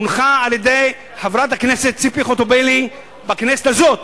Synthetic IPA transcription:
unχaaːljed̪ej | havɾat̪hakneset̪̚t͡sipiχot̪obeli | baknesetazo̞t̪

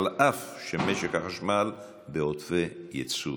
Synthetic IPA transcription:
lʔafʃemeʃeχhaχaʃmal | beot̪fejet͡sṵ

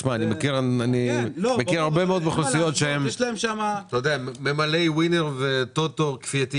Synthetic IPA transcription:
ʃmaːnimekiʁanimekkiʁaʁbe̞meo̞d̪maχlosijo̞t̪ʃeemʃlmʃamat̪ajod̪eamemalejwineʁvet̪ot̪oʁkfiat̪i

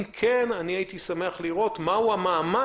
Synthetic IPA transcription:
mkʰenaniait̪isame̞aχliʁo̞t̪mauamaːma

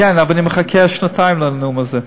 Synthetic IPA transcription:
ɛnabniməχakʰɛaʃnatʰaɪmlanumazɛ

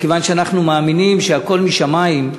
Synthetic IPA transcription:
kevanʃeanaχnumaːminimʃeako̞lmiʃamaim

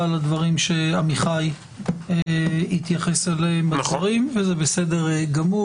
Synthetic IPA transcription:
alad̪vaʁimʃe̞amiχaj | it̪jaχe̞seleembasoʁimvezebesede̞ʁɡamu

